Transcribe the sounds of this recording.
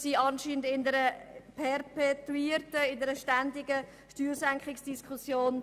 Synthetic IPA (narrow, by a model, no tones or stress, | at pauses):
siːɑnʃiːnəndɪndəɾəpʰɛrpɛtuiːɾtəɪndəɾəʃtændɪɡə | ʃtyːɾsæŋkχɪksd̥iskχusjoːn